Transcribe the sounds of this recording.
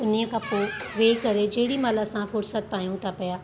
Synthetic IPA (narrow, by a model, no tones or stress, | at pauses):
ʊniəkɐpõʋeːkɐɾed͡ʑeɦɪɽimaːlasãfʊɾsət̪̚paːjũt̪ʰapɐjaː